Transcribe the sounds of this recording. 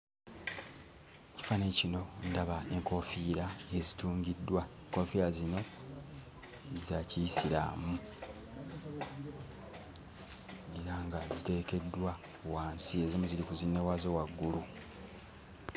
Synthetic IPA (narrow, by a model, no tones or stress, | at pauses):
ci̥fane̞cino̞ndaβae̞ŋko̞fiːɾae̞zituːŋɡidːwaeŋko̞fiɾazino̞ | zacisiɾa̰mu | e̞ɾaŋɡazite̞ːke̞dːwa | waːnsie̞zimuziɾikuzinːe̞wazo̞waɡːulu